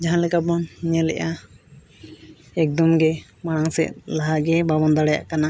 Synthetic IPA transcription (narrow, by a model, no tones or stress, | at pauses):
d͡ʒaɦãlɛkab̚ɔnɲalɛ̰ʔa | ɛk̚d̪ɔmɡɛ | maɽ̃aŋsɛ̰t̪̚laɦaɡɛbabɔnd̪aɽaja̰ʔkana